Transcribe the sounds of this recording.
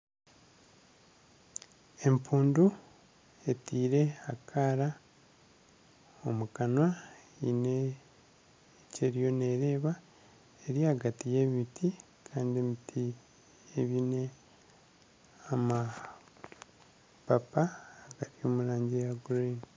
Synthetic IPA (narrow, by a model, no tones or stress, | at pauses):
e̞mpuːndu | e̞tiːɾe̞akʰaɾa | o̞mukanwa | ine | ce̞ɾijo̞ne̞ɾe̞ːβa | eɾiaɡatije̞βitʰi | kʰaːndiemitʰi | eβine̞ | ama | papaːɡatio̞muɾaːɲɟejaɡuɾoini